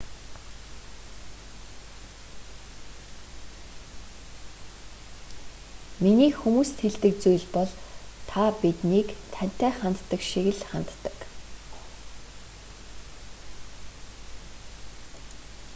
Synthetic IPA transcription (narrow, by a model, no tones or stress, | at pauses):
miniːkxumuːst̪xeɮt̪ɘ̆k̚t͡sujɮpɔɮt̪ʰapit̪niːkt̪ʰæn̥ʲt̪æːχant̪ːə̆kʃiɣɘ̆ɮχant̪ːə̥̆k